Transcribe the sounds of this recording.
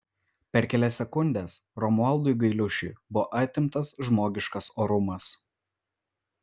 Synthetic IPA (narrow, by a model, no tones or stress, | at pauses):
pʲɛɾkʲɛlʲɛsʲɛkʊnʲd̪ʲesɾɔmʊɐlˠd̪ʊɪɡɐɪlʲʊʃʲʊ̰ɪbʊʋoʔɐt̪ʲɪmt̪ɐsʒmoːɡʲɪʃkɐsoːɾʊmɐs